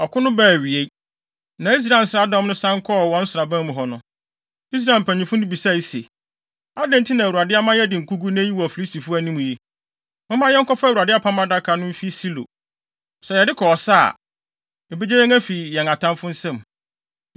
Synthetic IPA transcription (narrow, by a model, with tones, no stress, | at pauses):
ɔ˨kʰʊ˦nʊ̃˦bæː˦˨ɥi˨e˦ | nã˨˦i˦s̬ɾa˨n̩˨sa˦˨dɔ̃˦mnʊ̃˦sã˦ŋ˦kʰɔ˦˨wɔ̃˦n̩˦sʊ˨ɾa˨bæ̃˦mʊ̃˨ɦɔ˨nʊ̃˦ | i˦s̬ɾa˦˨m̩˨pʰæ̃˨ɲĩ˨fʊ̃˦nʊ̃˦bi˨sa˦˨i˦sḛ˨ | a˦dɛ̃˦n˦tʰi˦nã˨wu˨a˨dɪ˦a˦mã˦jɛ˦dɪ˨ŋ̩˨kʰu˦ɡu˦ñ˦ji˦wɔ˨æ˨fi˨li˦sti˨fʊ˦æ˨nĩ˦mũ˨ji˦ | mʊ̃˦mã˦jɛ˦ŋ̩˦kʰɔ˦fwu˨a˨dɪ˦a˦pʰã˦mã˦da˦kʰa˨˦nʊ̃˦m̩˦fi˦si˦lo̰˨ | sɛ˨jɛ˨dɪ˦kʰɔ˨ɔ˨sa˦a̰˨ | e˨be˦d͡ʑɛ˦jɛ˦ŋæ˦fi˨jɛ˨ŋa˨tʰã˦mfʊ˦n̩˦sɛ̃˦m